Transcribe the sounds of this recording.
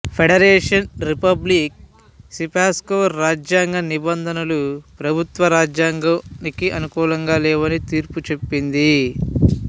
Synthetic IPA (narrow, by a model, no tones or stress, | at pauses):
pʰeɽɐɾɛːʂɐnɾipɐblik̚ | sipaːskoʋɐɾːaːd͡ʒjaːŋɡɐnibɐnd̪ʱɐnɐlupɾɐbʱut̪ʋɐɾaːd͡ʒjaːŋɡɐnikiʔɐnukuːlɐŋɡaːlɛːʋɐnit̪iːɾput͡ʃe̞pːind̪i